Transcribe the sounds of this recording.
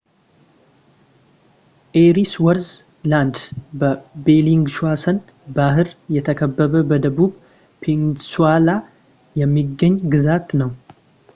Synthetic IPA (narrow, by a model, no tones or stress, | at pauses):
ʔeɾiswəɾz | land̪bəbeliŋɡʃuasən | baɦɨɾjɛt̪ʰəkʰəbːəβəbəd̪əβuβ | pʰensuala | jɛmːiɡəɲːɡɨzat̪nəw